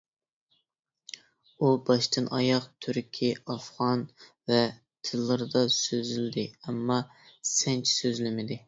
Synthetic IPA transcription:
ubɑʃt̪ɨnʔɑ̰jɑqt̪ʰyɾkʲʰiɑfʁɑn | vɛ | t̪ʰɨlˠːɨɾɨd̪ɑsøzylɪd̪ɪɛmːɑ | sɛnt͡ʃʰsøzlɪmɪd̪ɪ

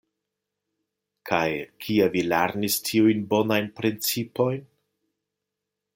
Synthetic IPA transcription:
kʰajkʰiavilaɾnistʰiujnbo̞najnpɾint͡sipo̞jn

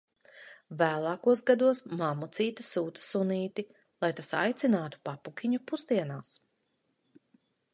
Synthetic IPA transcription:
væːlˠɑːkuɔsɡad̪uɔsmamut̪siːt̪ɐsuːt̪ḁsuniːt̪i | lˠajt̪asa̰jt̪sinaːt̪u̥papukʲiɲupusd̪iɛnaːs

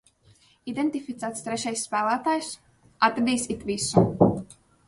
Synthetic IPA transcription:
id̪ent̪ifit̪sæːt̪st̪ɾɛʃajsːpælˠæːt̪aːjs | at̪ɾad̪iːsit̪visu

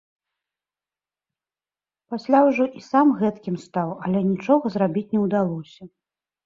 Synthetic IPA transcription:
pasʲlʲawʐɔʔisamɣɛt̪kʲimst̪awɐlʲɛnʲit͡ʂɔɣɐzrabʲit͡sʲnʲɛwd̪alˠɔsʲɐ

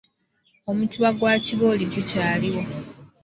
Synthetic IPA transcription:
o̞mutuβaɡwaːciβoːliɡucaːliwo

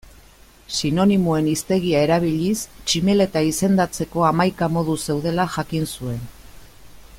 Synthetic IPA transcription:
sino̞nimue̞nist̪e̞ɣ̞iae̞ɾaβ̞iʎist͡ʃime̞le̞t̪aise̞nd̪at͡se̞ko̞amajkamo̞ð̞use̞wðe̞laʝakinsue̞n

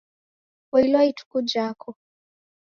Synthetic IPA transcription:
wailwaitu̥kud͡ʒakʰɔ

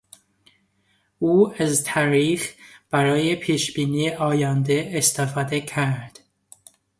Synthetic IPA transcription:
uːæzt̪ʰɒɾiːxb̥æɾɒːjepʰiːʃbiːniːʔɒːjæːnd̪eːst̪ʰefɒːd̪ecʰæɾd̪̥

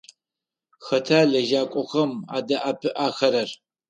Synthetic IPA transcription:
xɐtʰaːɮɐʒaːkʷʼɔxɐma̰ːdɐʔaːpʰɨʔaːxɐɾɐr

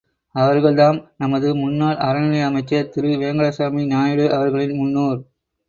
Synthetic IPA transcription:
ɐʋɐɾɣɐɭðaːmnɐmɐðɯmʊnːaːɭɐɾɐnɪɭɐjɐmɐɪt͡ʃːɐt̪ɪɾɯʋeːŋɡɐɭɐsaːminaːjɯɽɯʔɐʋɐɾɣɐɭɪnmʊnːoːɾ

